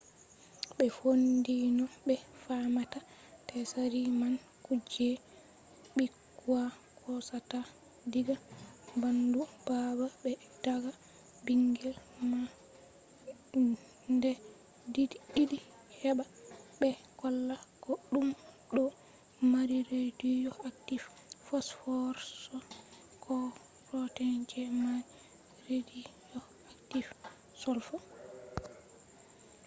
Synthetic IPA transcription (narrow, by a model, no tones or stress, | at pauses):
bɛfondinɔbɛfamata | tɛsaɾiman | kud͡ʒɛ | ɓikːua | kʰɔsata | diɡabandub̥ababɛ | d̥aɡa | biŋɡɛlma | ndɛ | didiidi | hɛbabɛkɔlːakɔɗum | ɗɔ | maɾiɾedijɔaktif | fɔsfɔɾsɔ | kʰɔ | pɾɔtɛnd͡ʒɛmaɾi | ɾedijɔ | aktif | sɔlfɔ